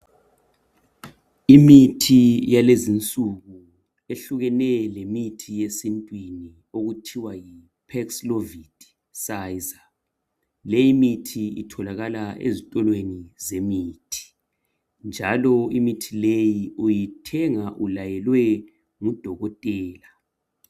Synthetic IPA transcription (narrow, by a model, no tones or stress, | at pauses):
imitʰijalezint͡sʼuɣu | eɬuɣɛnɛlemitʰijesintʼwini | oɣutʰiwaji | pʰɛkslovidʰʼ | sajza | lejimitʰiḭtʰɔlaɣalaḛzitʼɔlwenizemiːtʰi̥ | nd͡ʒʱalɔimitʰilejiujitʰɛŋaʔulajɛlwɛ | ŋud̥ʱɔɣɔtʼɛːla